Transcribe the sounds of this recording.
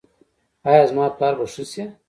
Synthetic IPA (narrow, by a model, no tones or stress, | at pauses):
aːjaːzmaːplaːɾbɐʂuse